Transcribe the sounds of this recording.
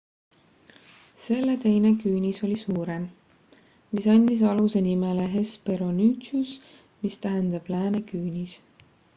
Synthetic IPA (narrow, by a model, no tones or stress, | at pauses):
se̞lːe̞t̪e̞jne̞kyːnʲiso̞lʲisuːɾem | misɑnʲd̪̥is̬ɑluse̞nimeleɦe̞spe̞ɾo̞nyːt̪sus | mist̪æɦend̪̥ɑb̥læːnekyːnʲis